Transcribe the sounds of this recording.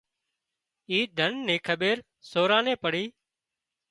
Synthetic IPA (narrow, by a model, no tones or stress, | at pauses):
iːd̪ʱənːẽːkʰəɓeːɾ | soːɾãːneːpəɽiː